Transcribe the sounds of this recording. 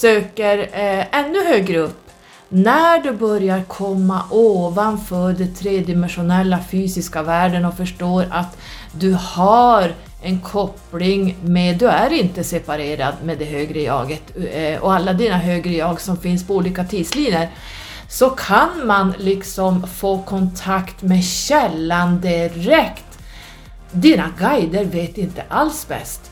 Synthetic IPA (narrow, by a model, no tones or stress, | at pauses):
søːkəɾɛnːɵhøːɡɾəɵpː | næɖɵbœɾjaɾkʰɔmːaʔoːvanfœːɖɛt̪ʰɾeːd̪ɪmɛnɧʊnɛlːafyːsɪskavæːɖənɔfœʂʈoːɾat̪ | d̪ɵhaɾ | ɛnkʰɔplɪŋmed̪ːɵæɾɪnt̪əsɛpaɾeːɾad̪med̪ɛɦøːɡɾəjɑ̰ːɡət̪ɔ̰alːad̪iːnaɦøːɡɾəjɑːɡsɔmfɪnspɔuːliːkat̪ʰiːd̪sliːnəɾ | sɔkʰanmanlɪksɔmfoːkʰɔnt̪ʰakt̪mɛɕɛlːand̪ɪɾɛkt̪ | d̪iːnaɡajd̪əɾveːt̪ɪnt̪əʔalsbɛ̰st̪